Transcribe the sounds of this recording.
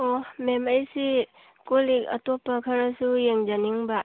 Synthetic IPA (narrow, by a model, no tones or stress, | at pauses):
omemajsi | kolikɐ̰tɔpːakʰaɾasujeŋd͡ʒaniŋba